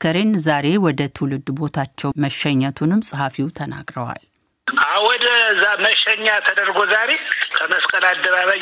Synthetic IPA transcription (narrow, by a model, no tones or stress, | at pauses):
kʰəɾenzaɾewɔd̪ət̪ʰɨwlɨd̪ːbo̞t̪ʰat͡ʃːɛwməʃɛɲːat̪ʰunɨmːsʼhafiwt̪ʰəna̰ɡɾəwa̰l | ʔawɔd̪əzaməʃɛɲːat̪ʰəd̪əɾɡozaɾekʰəməskʼəlad̪ːəβaβaj